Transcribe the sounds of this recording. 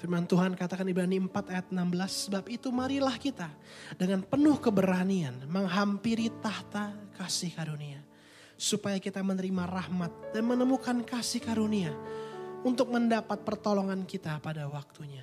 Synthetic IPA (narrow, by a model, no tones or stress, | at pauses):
firmant̪uɦankat̪akanibɾaniəmpat̪ajat̪̚ənambəlasːəbapit̪umaɾilahkit̪a | dəŋanpənʊhkəbəɾanianməŋɦampiɾit̪aht̪akasɪhkaɾunia | supajakit̪amənəɾimarahmat̪̚danmənəmukankasɪhkaɾunia | unt̪ʊk̚məndapat̪̚pərt̪oloŋankit̪apadawak̚t̪uɲa